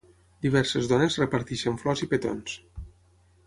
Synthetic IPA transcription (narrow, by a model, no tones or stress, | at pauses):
d̪iβ̞ɛɾsəzðɔnezrepaɾt̪iʃəɱflɔzipet̪o̰ns